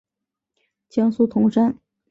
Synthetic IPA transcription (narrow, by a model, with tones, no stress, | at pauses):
t͡ɕjɑ˥ŋsu˥˩t̪ʰʊ˧˥ŋʂa˥n